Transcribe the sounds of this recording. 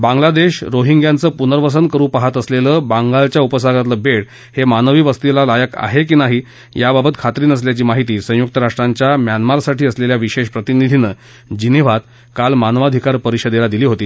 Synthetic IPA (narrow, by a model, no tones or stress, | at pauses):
bãŋɡlad̪eɕɾoɦiŋɡjãnt͡səːpunəɾʋəs̬ənkəɾuːpaɦat̪əsleləːbaŋɡalt͡ɕjaupəsaɡat̪ləːbeɽ | hemanəʋiːʋəst̪ilalajəka̰ɦekiːnaɦiː | jababət̪kʰat̪ɾiːnəs̬ljat͡ɕiːmaɦit̪iːsə̃juk̚t̪əɾaʂʈɾaɲt͡ɕjamjanmaɾsaʈiːəsleljaʋiɕeɕpɾət̪inid̪ʱinəː | d͡ʑiniʋ̤at̪̚ | kalmanʋad̪ʱikaɾpəɾiɕəd̪elad̪iliːɦot̪iː